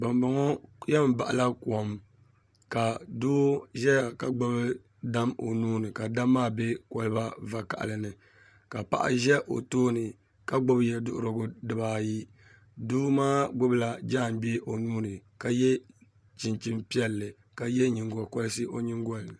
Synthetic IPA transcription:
ba˨mba˨ŋɔ˦jɛ˦m˨ba˨ʔa̰˨la˦kɔ˨m | ka˨doː˦ʒɛ˦ja˨ka˨ɡ͡bɔ˦bɨ˦ | da˦mo̰˨nuː˦nɨ˨ka˨da˦mːaː˦be˦kɔ˨lɨ˦ba˦va˨ka̰˨ʔa̰˨lɨ˨nɨ˨ | ka˨pa̰˨ʔa̰˦ʒɛ˦ʔo̰˨toː˦nɨ˨ | ka˦ɡ͡bʊ˦bjɛ˨dʊ˦ʔʊ˦ɾɨ˦ɡʊ˦dɨ˨baː˨ji˦ | doː˦maː˦ɡʊ˦bɨ˦la˦d͡ʒaː˦˨m˦bi˦e˦ʔo˨nuː˦nɨ˨ka˨jɛ˦ | t͡ʃi˨nt͡ʃi˦mpi˦ɛ˦lːɨ˨ | ka˨jɛ˦ɲi˨ŋɡɔ˨kɔ˦lɨ˦sɨ˦ʔo˦ɲɪ˦ŋɡɔ˦l

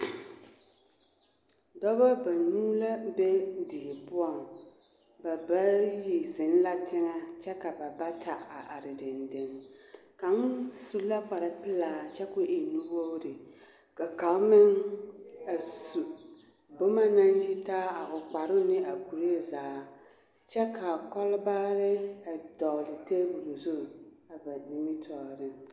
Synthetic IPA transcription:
dɔ˦ba˦ba˨nuː˦la˦be˦di˨pʊ˦a˦˨m | ba˨ba˦ji˨zɪ˨n˦la˦tɪ˦ŋa˦t͡ʃɛ˦ka˨ba˨ba˦tʰa˨a˨ʔa˨ɾɪ˨dɪ˨ndɪ˨nka˨n˦su˦la˦k͡pa˨ɾa˨pɨ˦laː˨t͡ʃɛ˦kʊ˦ʔi˨nu˦bo˦ɾɨ˨ | ka˨ka˨lmɪ˦ŋ | a˨su˨ | bʊ˦ma˦na˦nji˦taː˦a˨ʔʊ˨k͡pa˨ɾʊ˦nɪ˦ʔa˨ku˨ɾe˦˨zaː˨˦ | t͡ʃɛ˦kʰa˨kɔ˦lbaː˦ɾɪ˦a˨dɔ˨lɪ˨te˦bu˨ɾu˨zu˦˨a˨va˨di˦mi˦tʰɔː˨ɾɪ˦

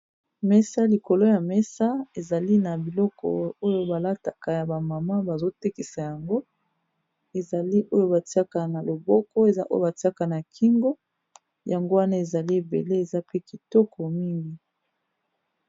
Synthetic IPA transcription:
mɛ˦sa˦li˨ko˨lo˦ja˨mɛ˦sa˦e˨za˨li˦na˨bi˨lɔ˦kɔ̰˨o˦jo˦ba˨la˦ta˨ka˨ja˨ba˨ma˨ma˦ba˨zo˦te˦ki˨sa˨ja˨ŋɡo˦ | e˨za˨li˦ʔo˦jo˦ba˨ti˦a˦ka˨na˨lo˨bɔ˦kɔ˦e˨za̰˦ʔo̰˦jo̰˦˨ba˨ti˦a˦ka˨na˨kʰi˦ŋɡo˦ | ja˨ŋɡo˦wa˦na˦e˨za˨li˦e˨bḛ˨le˦e˨za˦pe˦ki˨tɔ˦kɔ˨mi˦ŋɡi˨

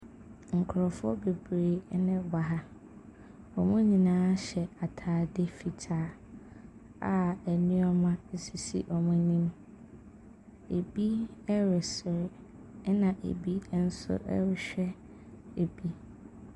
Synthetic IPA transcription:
ŋ̩˨kʰʊ˨ɾɔ˨fʊ˦ɔ˦be˨bɾeː˨˦nɪ̃˦ba˨ɦa˦ | ɔ˨mʊ̃˦ɲĩ˨nãː˦ɕɛ˨a˨tʰaː˨de˦fi˨tʰaː˦ | a̰˨æ˨nĩ˦ɔ˦mã˦e˦si˨sḭ˦ʔɔ˨mʊ̃˦nĩ˦m | ḛ˨bi˦ɛ˦ɾɪ˨sɪ˨ɾɪ˦ | nã˨ʔḛ˨bi˦n̩˦sʊ̰˦ʔɛ̰˦ɾɪ˨ɕᶣɛ˦ | e˨bi˦

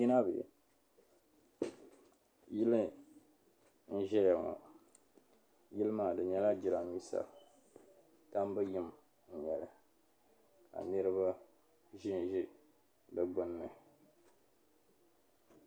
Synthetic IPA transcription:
i˦na˦bɨ̰˨ | jɪ˦lɨ˦ | n̩˦ʒɛ˦jɛ˨ŋɔ̰˨ | jɪ˦lɨ˦ma˨dɨ˨ɲɛ˦la˦d͡ʒɪ˨la˨i˦sa̰˨ | ta˦m˦bɨ˦jɪ˦m˨ | n̩˨ɲɛ˨lɨ˨ | ka̰˨nɨ˦ɾɨ˦βa˦ | ʒi˦n˨ʒi˦ | bɨ˨ɡ͡bʊ˦n˦mɨ˨

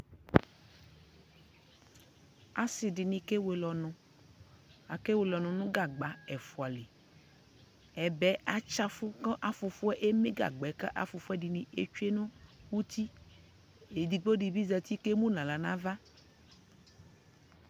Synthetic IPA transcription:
a˨si˨ɖi˨nĩ˨ke˦we˨lɔ˨nɔ̃˨ | a˨ke˦we˨lɔ˨nɔ̃˨nũ˦ɡa˨ɡ͡ba˨ɛ˨fu˨a˨le˨ | ɛ˨bɛ˦a˦t͡ʃa˦fu˦kɔ̃˦ʔa˦fu˨fu˦ɛ˦ʔe˦mẽ˦ɡa̰˨ɡ͡bɛ˨˦ka˦ʔa̰˦fu˨fu˦ɛ˦ɖi˨nĩ˨ḛ˦t͡ʃu˦e˦nũ˦wu˦t̪i˦ | e˨d̪i˨ɡ͡bo˦ɖi˨bi˦zɛ˨t̪i˦ke˦mũ˦nã˨la˨nã˦va˦

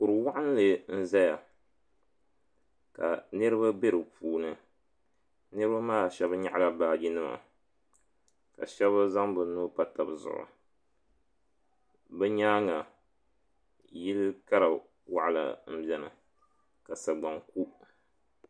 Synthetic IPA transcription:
kʊ˨ɾɨ˨wa˦ʔa˦n˦lɨ˨n̩˦za˦ja˨ | ka̰˨nɨ˦ɾɨ˦ba˦be˦ɾɨ˨pʰuː˨nɨ˨ | nɨ˦ɾɨ˦ba˦maː˦˨ʃɛ˦bɨ˦ɲa˦ʔla˦baː˨ɡi˦nɨ˦ma̰˨ | ka̰˨ʃɛ˦βa˦za˦ŋbɨ˨nu˦pa˦ta˨bɨ˨zʊ̰˨ʔʊ̰˨ | bɛ˦ɲaː˦ŋa˨ | ji˦lɨ˦ka˦ɾa˨ | wa˨ʔlɨ̰˨m̩˦bjɛ˨nɨ̰˨ | ka˨sa˨ɡ͡ba˨ŋku˦

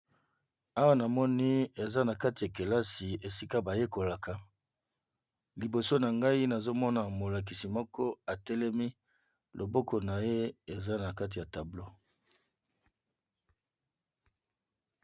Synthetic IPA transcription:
a˦wa˦na˨mɔ˦ni˦e˨za˦na˨ka˦ti˨ja˨ke˨la˦si˨e˨si˦ka˦ba˨je˦ko˨la˨kʰa˨ | li˨bo˨so˦na˨ŋɡa˦i˦na˨zo˦mɔ˦na˨mo˨la˨k̬i˨si˨mɔ˦kɔ˦a˨tɛ˦lɛ˦mi˦ | lʔo˨bo˦ko˨na˨je˦e˨za˦na˨ka˦t̬i˨ja˨ta˨blo˦

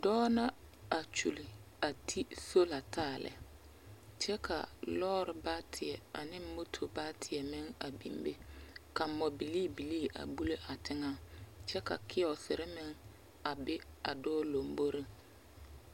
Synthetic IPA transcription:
dɔː˦na˦ | a˨t͡ʃṵ˨li˨ | a˨tʰi˦so˦la˨tʰaː˦˨lɛ̰˨ | t͡ʃɛ˦kʰa̰˨lɔː˦ɾɪ˨ba˦tʰɪ˨ɛ˨a̰˨nɪ˦mo˦tʰo˨ba˦tʰɪ˨ɛ˨mɪ˦ŋa˨bḭ˨mbe˦ka˨mɔ˨bi˨liː˦˨bi˨li˦˨ʔa̰˨bu˦le˦ʔa˨tʰɪ˦ŋa˦t͡ʃɛ˦ka̰˨kʰɪ˦ɔ˨sɪ˨ɾɪ˦mɪ˦ŋ | a˨bɪ˦a˨dɔː˦lo˨mbo˦ɾɪ˦ŋ

